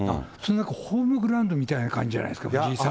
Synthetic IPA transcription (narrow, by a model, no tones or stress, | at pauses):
a̰sononãkahoːmɯ̟ɡɯ̟ɾãɯ̃nd̪o̞mʲit̪ainakã̰ɲd͡ʑid͡ʑa̰a̰id̪esɨkamd͡ʑisa